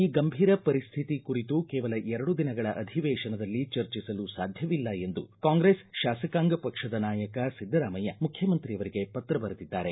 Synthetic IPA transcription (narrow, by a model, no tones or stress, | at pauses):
iːɡɐmbʱiːɾɐpɐɾist̪ʰit̪ikuɾit̪ukɛːʋɐlɐʔɛɾɐɽud̪inɐɡɐɭɐʔɐd̪ʱiʋɛːʃɐnɐd̪ɐlːit͡ʃɐɾt͡ʃisɐlusaːd̪ʱjɐʋilːɐe̞nd̪ṵkaːŋɡɾesʃaːsɐkaːŋɡɐpɐkʂɐd̪ɐnaːjɐkɐsid̪ʱːɐɾaːmɐjɐmukʰjɐmɐnt̪ɾijɐʋɐɾiɡe̞pɐt̪ɾɐbɐɾɐd̪id̪ːaːɾe̞